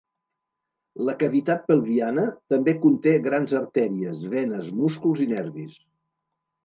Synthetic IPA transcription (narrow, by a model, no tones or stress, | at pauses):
ləkəβit̪at̪̚pəlˠβianət̪əmbekunt̪eɣɾanzəɾt̪ɛɾiəzβɛnəzmuskulˠzinɛɾβis